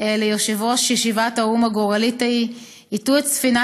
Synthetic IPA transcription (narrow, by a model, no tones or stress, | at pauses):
lejoʃevoʃjeʃivataumaɡoʁalitai | ituetsfina